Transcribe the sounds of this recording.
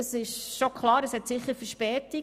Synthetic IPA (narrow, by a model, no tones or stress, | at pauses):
əsɪʃʃokʰχlˠɑːɾəshɛtsɪχəɾfəɾʃpɛːti